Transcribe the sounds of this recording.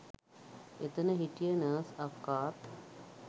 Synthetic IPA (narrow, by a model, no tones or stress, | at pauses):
et̪ənəɦiʈijənəːsakːaːt̪